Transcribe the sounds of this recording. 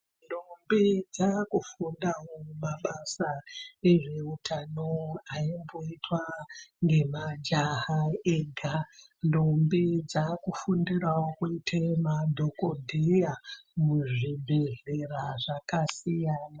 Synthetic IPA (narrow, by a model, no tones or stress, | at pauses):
ndombid͡zakufundawomaɓasaeʐe̞utʰanoaimboitwaŋɡe̞mad͡ʒaɦaeɡʱa | ndombid͡zakufundirawokuitʰemadʱokodʱejamuʐibʱeɦeraʐakasijaːna